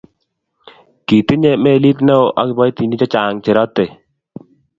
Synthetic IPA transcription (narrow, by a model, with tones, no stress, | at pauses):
ki˨t̪ɪ˦ɲe˦mɛ˦˨li˦t̪nɛ˦o˦ʔa̰˦kbɔ˦jt̪i˨ni˦t͡ʃɔ˦t͡ʃa˨ŋt͡ʃɪ˨ɾɔ˦t̪e˨